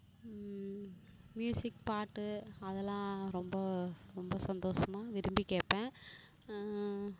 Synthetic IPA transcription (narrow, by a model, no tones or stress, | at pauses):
mjuːsɪkpaːʈːɯɐðɛlãːɾɔmbɐɾɔmbɐsɐnd̪oːʂɐmaːʋɪɾɯmbikeːpːẽː